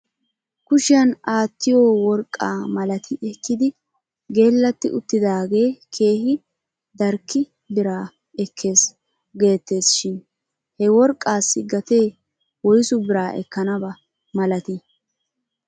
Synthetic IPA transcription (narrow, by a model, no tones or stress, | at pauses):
kʊʃɪjɐnaːt̪ːɪjoːwɔɾkʼːa̰ːmɐlɐt̪ʰɪɛkːɪd̪ɪ | ɡe̞ːlːɐt̪ːɪʔʊt̪ːɪd̪aːɡe̞ːkʰe̞ːhɪ | d̪ɐɾkːɪ | bɪɾaː | ɛkʰːe̞ːs | ɡe̞ːt̪ːe̞ːsʃɪn | hɛwɔɾkʼːaːsːɪɡɐt̪e̞ː | wɔjsʊbɪɾaːʔɛ̰kːɐnɐbɐ | mɐlɐt̪ɪ